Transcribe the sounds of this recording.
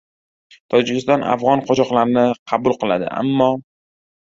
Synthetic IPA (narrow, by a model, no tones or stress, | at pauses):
t̪ʰɒd͡ʒɪkʲɪst̪ɒnʔa̰fʁɒnqʰɒt͡ʃɒqlˠaɾɪnɪqʰɑbʊlˠqɨlˠa̰d̪ɪ̰ʔa̰mːɒ